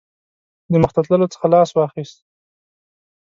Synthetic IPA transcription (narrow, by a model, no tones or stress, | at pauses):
d̪əməxt̪at̪ləlot͡sə̥xalɑswɑxist̪̚